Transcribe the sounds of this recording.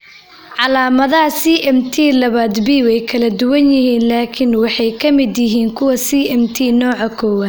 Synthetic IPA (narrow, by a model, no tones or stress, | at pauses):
ʕɑlaːmɐðɐɦɐsiːʔɛmt̪ʰiːlɐβaːd̪biːwɛjkʰɐlɐd̪ʊwɐnjɪɦiːnlaːkʰɪnwɑħɑjkʰɐmɪd̪jɪɦiːŋkʰʊwɐsiːʔɛmt̪ʰiːnɔːʕɑkʰɔːwaːd̪